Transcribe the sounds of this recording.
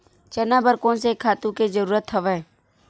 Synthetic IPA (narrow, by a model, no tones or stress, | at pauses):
t͡ʃənabəɾkõnsekʰaːt̪ũked͡ʒəɾuːɾət̪ɦəʋɛ̃ː